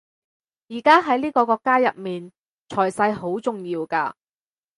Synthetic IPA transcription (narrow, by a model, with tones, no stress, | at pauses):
jiː˨˩kaː˥ɦɐ˨˥jliː˥kɔː˧kɔː˧kːaː˥jɐ̰˨t̚miː˨n | t͡ʃʰɔː˨˩jsɐ˧jɦo˨˥wt͡sʊ˨ŋjiː˧wkaː˧